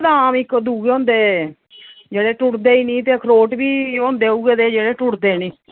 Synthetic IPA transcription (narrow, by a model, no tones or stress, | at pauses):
d̪aaːmɪkd̪uːɡõːnd̪eː | d͡ʒeːɽeːʈʊʈd̪eːiːnĩːt̪eːkʰɾoːʈbiːõːnd̪eːuːɡeːd̪eːd͡ʒeːɽeːʈʊʈd̪eːnĩː